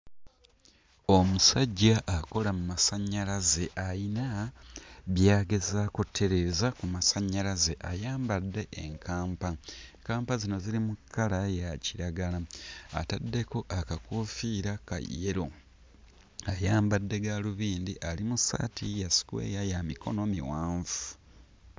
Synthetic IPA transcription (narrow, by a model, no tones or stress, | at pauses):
o̞musaɟːaʔːko̞lamumasaɲːalaze̞ʔajina | βjaːɡe̞zakutʰːe̞ɾe̞ːzakumasaɲːalaze̞ʔajaːmbadːe̞ʔːŋkʰaːmpakaːmpazino̞zilimukʰːalajaciɾaɡalaa̰tadːe̞ko̞ʔakakufiːɾaka̰jːeɾo | ajaːmbadːe̞ɡaluβiːndiʔalimusa̰tʰijasi̥kwḛːjajamiko̞̰no̞mḭwaːɱvu̥